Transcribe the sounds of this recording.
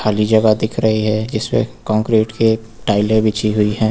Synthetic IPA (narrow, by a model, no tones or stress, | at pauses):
aːlid͡ʒɐɡad̪ɪkʰɾɐɦiɦɛd͡ʒɪsmḛ̃kɔ̃ːŋkɾeːʈke | ʈaːɪləɾbʱit͡ʃiɦʊiɦɛ̃ː